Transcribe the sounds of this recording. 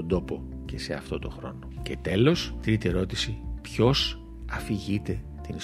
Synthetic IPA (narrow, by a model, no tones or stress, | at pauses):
od̪o̞po̞ | ce̞se̞ɐ̰ft̪o̞t̪o̞̰xɾo̞̰no̞ce̞t̪e̞lo̞st̪ɾit̪ie̞ɾo̞t̪isipço̞s | ɐfiʝit̪e̞ | t̪in